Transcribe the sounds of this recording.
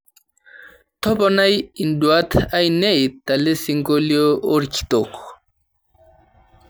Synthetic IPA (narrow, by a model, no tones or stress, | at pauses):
t̪ʰɔpɔnajinduat̪ʰajnejt̪alesiŋɡoliooɾkʰi̥t̪ok